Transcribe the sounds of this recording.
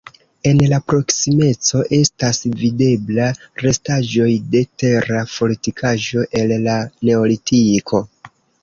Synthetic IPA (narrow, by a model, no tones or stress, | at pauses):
e̞nlapɾo̞ksime̞t͡so̞ʔe̞stasvide̞blaɾe̞staʒo̞jde̞te̞ɾafo̞litikʰaʒo̞ʔe̞llane̞olitʰikʰo̞